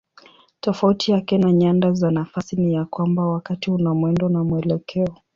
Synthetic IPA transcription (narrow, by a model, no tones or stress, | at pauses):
tɔfautijakɛnaɲandazanafasinijakwambawakatiunamwɛndɔnamuɛlɛkʰɛɔ